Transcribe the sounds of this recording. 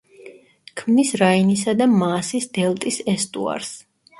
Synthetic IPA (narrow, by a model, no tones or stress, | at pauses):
kʰmnisɾainisad̪amaːsisd̪̥ɛlˠt̪ʼisɛst̪ʼṵa̰ɾs